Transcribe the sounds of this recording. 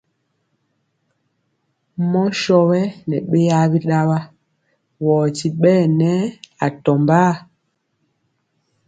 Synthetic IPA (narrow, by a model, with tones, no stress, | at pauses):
mɔ˦ʃɔ˦wɛ˦nɛ˨ɓe˦ja˦bi˦ɗa˦ɓa˦ | wɔː˨ti˨ɓɛː˦˨nɛ˦a˨tɔ˨mba˦˨